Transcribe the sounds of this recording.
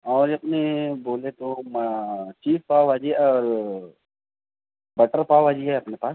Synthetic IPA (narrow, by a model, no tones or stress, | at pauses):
ɔːɾɐpneboːlet̪omt͡ʃiːfpaːaːd͡ʒiɔːɾ | bɐʈəɾpaːaːd͡ʒiɦɛɐpnepaːs